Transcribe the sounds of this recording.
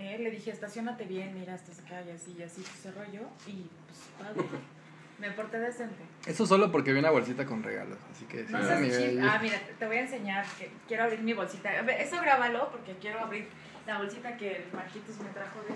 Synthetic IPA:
ele̞ðixe̞ːst̪asjo̞nat̪e̞βje̞nmiɾaest̪asakajasiasip̪o̥sero̞ʝo̞ipwespaðɾe | mepoɾt̪eðesent̪eesos̬o̞lopo̞ɾkeβjenaβo̞lsit̪ako̞nrḛɣa̰losasikḛsnosemiiamiɾat̪eβo̞jaense̞ɲaɾkekje̞ɾoaβɾiɾmiβo̞lsit̪aeesoɣɾaβalo̞po̞ɾke̞kje̞ɾo̞aβɾiɾ | laβ̞o̞lsit̪ake̞lmaɾkit̪ozme̞t̪ɾaxo̞ðe

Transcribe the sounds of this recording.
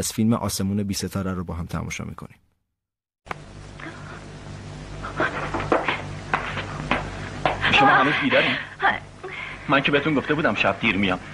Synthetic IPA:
z̥filmeʔɒ̰ːse̞muːnebiːset̪ʰɒːɾæɾobɒːɦæmt̪ʰæ̰mʔɔ̰ʃɒ̰ːmḭːkʰo̞̰ni | ʃomɒːɦæmuzbiːd̪ɒɾim | mæncʰee̞het̪unɡo̞ft̪ebuːd̪æmʃæb̚d̪iɾmijɒm

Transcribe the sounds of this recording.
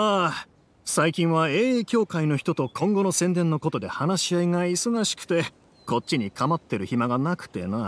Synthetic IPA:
a | saikʲĩɰ̃βaeːkʲo̞ːkaino̞çi̥t̪o̞t̪o̞kʰõ̞ŋɡo̞no̞sẽ̞nd̪ẽ̞nːo̞ko̞t̪o̞d̪e̞̰hanaɕiaiŋaiso̞ɡaɕi̥kɯ̥t̪e̞ | ko̞t̚t͡ɕːiɲ̟ikamat̪ːeɾɯ̟çimaɡanakɯ̟̥t̪e̞̰na

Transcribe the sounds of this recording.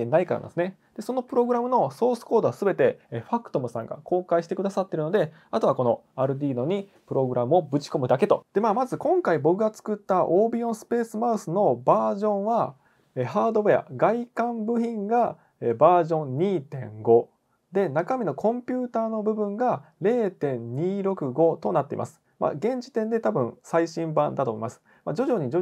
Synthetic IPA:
enaikaɾa̰n̰d̪sɨne̞d̪̥e̞so̞no̞pɯ̟ɾo̞ɡɯɾamɯ̟no̞so̞ːsɨ̥ko̞ːd̪o̞asɨbe̞t̪e̞ɸakɯ̥t̪o̞mɯ̟sã̰ŋɡa̰ko̞ːkaiɕi̥t̪e̞kɯd̪asat̪ːe̞ɾɯ̟no̞d̪e̞ | at̪oako̞no | aɾɯ̟d̪ʲiːno̞ɲ̟i | pɯ̟ɾo̞ɡɯ̟ɾʔamɯ̟o̞bɯ̟t͡ɕi̥ko̞mɯ̟d̪ake̞t̪od̪̥e̞maːmazɨkõ̞ŋkaibo̞kɯ̟ɡat͡sɨ̥kɯ̟t̪ːaʔoːbʲiõsɨ̥pe̞ːsɨmaɯsɨno̞baːʑõ̞ɰ̃βa | ehaːd̪o̞bea̰ɡaikãmbɯ̟çĩŋɡa | ebaːʑõ̞ɲɲʲiːt̪ẽ̞̰ŋɡo̞ | d̪e̞nakamʲino̞kʰõ̞mpʲɨːt̪aːno̞bɯ̟bɯ̟̃ŋɡaɾe̞ːt̪ẽ̞ɲɲʲiːɾo̞kɯ̟ɡo̞t̪o̞nat̪ːe̞ḭmʔa̰sɨ̥ | ma̰ɡẽ̞ɲ̟d͡ʑi̥t̪ẽ̞nd̪e̞t̪abɯ̟̃ɰ̃saiɕĩmbã̰nd̪at̪o̞mḭmasɨ̥ | mad͡ʑo̞ʑo̞ɲ̟id͡ʑo

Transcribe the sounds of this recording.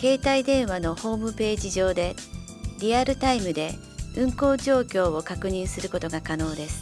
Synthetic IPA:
ke̞ːt̪aid̪ẽ̞ɰ̃βano̞ho̞ːmɯ̟pe̞ːʑiʑo̞ːd̪e̞ | ɾʲiaɾɯ̟t̪aimɯ̟d̪e̞ | ɯ̟̃ŋko̞ːʑo̞ːkʲo̞ːβo̞kakɯ̟ɲ̟ĩɰ̃sɨɾɯ̟ko̞t̪oɡakano̞ːd̪e̞sɨ̥

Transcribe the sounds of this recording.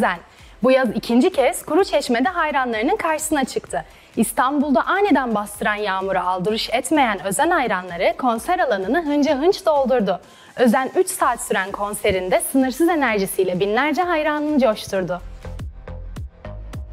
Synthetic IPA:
zæn | bujazicʰind͡ʒicʰɛz̥kʰuɾut͡ʃʰɛt͡ʃme̞d̪ɛɦajɾanlˠaɾɯnɯnkʰaɾʃɯ̥sɯnat͡ʃʰɯkt̪ʰɯ | ist̪ʰanbulˠd̪aʔajned̪ænbast̪ʰɯɾanjaːmuɾaalˠd̪ɯɾuʃɛt̪me̞jænø̞zænhajɾanlˠaɾɯkʰo̞nsæɾalˠanɯnɯɦɯnd͡ʒaɯnt͡ʃd̪aolˠd̪uɾd̪ʊ | ø̞zænyt͡ʃsaːt̪syɾænkʰo̞nse̞ɾind̪ɛsɯnɯɾsɯze̞næɾʒisijlʲɛbinlʲæɾd͡ʒɛɦajɾanˠɯnɯd͡ʒo̞ʃt̪ʰuɾd̪ʊ

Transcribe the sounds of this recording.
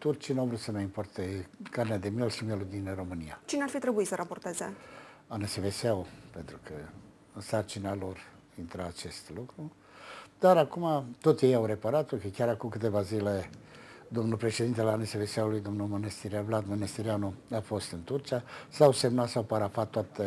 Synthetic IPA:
t̪urt͡ʃinavɾut̪səmaimpo̞rt̪ekarnead̪e̞mijelʃimjelud̪inro̞mɨnijat͡ʃinearfit̪ɾebuisəɾaport̪eze | aneseveseaupe̞nt̪ɾukʰə | ɨnsart͡ʃinalo̞r | int̪ɾaːt͡ʃe̞st̪lukɾu | d̪̥aɾakumat̪o̞t̪jejawɾe̞paɾat̪̚p̪okəkʲaɾakumkɨt̪e̞vazile | d̪o̞mnulpɾe̞ʃe̞d̪int̪eleaneseveseawulujd̪o̞mnulmonest̪iɾiavlad̪monest̪iɾianuafo̞st̪ɨnt̪urt͡ʃiasawse̞mnat̪sawpaɾafat̪ːoat̪ə

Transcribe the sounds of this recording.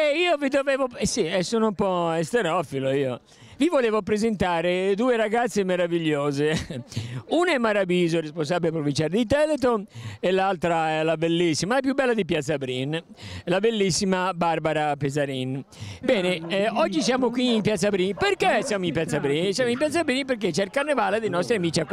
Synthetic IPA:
eiːovid̪ovɛːvosiɛsoːnompɔest̪eɾɔfiloiːo | vivoleːvopɾezent̪aːɾed̪uːeɾaɡat̪sːemeɾaviʎːoːze | unaɛmːaɾabiːzoɾespons̬aːbilepɾovint͡ʃaːɾed̪it̪ɛlet̪̬oelalt̪ɾaɛlabelːisːimalap̬jubːɛlːad̪ipjat̪sːabɾin | labelːisːimabarbaɾapezaɾin | bɛːneɔd͡ʒːisjaːmokwiimpjat̪sːabɾinperkesjaːmoimpjat̪sːabɾinsjaːmoimpjat̪sːabɾinpeɾk̬et͡ʃɛilkarnevaled̪enɔst̪ɾeamiːt͡ʃiak

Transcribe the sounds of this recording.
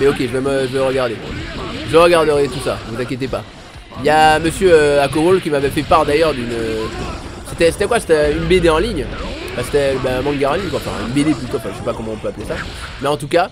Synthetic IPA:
mɛɔkʲeʒəvɛməʒəvɛʁəɡaʁd̪eʒəʁəɡaʁd̪əʁɛt̪usa̰vuzɛ̃kʲjet̪̬epa | jaməsjøøakɔʁolkʲimavɛfɛpaʁd̪ajœʁd̪ynøsset̪ɛse̥t̪ɛkwase̥t̪ɛynbed̪eɑ̃liɲ̃ | fɛ̃se̥t̪ɛbãmɑ̃ŋɡaʁɑ̃liɲkwaɑ̃fɛ̰̃y̰nbed̪epyt̪wɑ̃fɛ̃ʒəsɛpakɔmɑ̃ɔ̃pøaplesa | mɛɑ̃t̪uka

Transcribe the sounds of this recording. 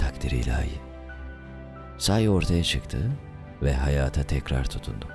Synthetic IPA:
t̪ʰakt̪ʰiɾḭːlʲa̰ːji | saːjo̞ɾt̪ʰajat͡ʃʰɯkt̪ʰɯ | vɛɦajaːt̪ʰat̪ʰɛcɾa̰ɾt̪ʰu̥t̪ʰund̪ʊ

